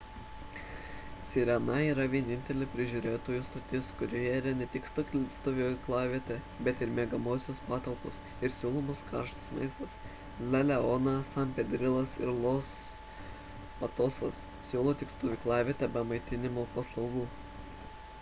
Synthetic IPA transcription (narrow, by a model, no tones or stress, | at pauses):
sʲiɾʲɛnɐiːɾɐʋʲiɛnʲɪnʲt̪ʲɛlʲɪpʲɾʲɪʒʲuɾʲeːt̪oːjust̪oːt̪ʲɪskʊɾʲoːjɛiɾɐnʲɛt̪ʲɪkst̪okʲlʲst̪ʊʋʲoklˠɑːʋʲiɛt̪ʲɛ | bʲɛt̪ɪɾmʲeːɡɐmoːsʲospɑːt̪ɐlˠpos | ɪɾsʲuːlˠoːmʊskɑ̰ɾʃt̪ɐsmɐ̰ɪst̪ɐs | lʲɛlʲɛonɐsɐmʲpʲɛd̪ʲɾʲɪlˠɐsɪ̰ɾlˠoːs | pɐt̪oːsɐs | sʲuːlˠoːt̪ʲɪkst̪ʊʋʲɪklˠɑːʋʲeːt̪ʲɛbʲɛmɐɪt̪ʲɪnʲɪmoːpɐslˠɐʊɡuː